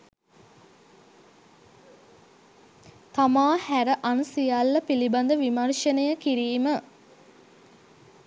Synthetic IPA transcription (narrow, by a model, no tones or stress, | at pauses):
t̪amaːhæɾəʔansijalːɐpiliband̪əʋimərʂənəjəkiɾiːmə